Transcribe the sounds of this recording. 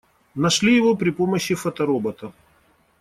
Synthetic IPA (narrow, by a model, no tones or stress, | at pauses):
nɐʂlʲijɪvopɾʲɪpoməɕːɪfɐt̪ɐɾobɐt̪ɐ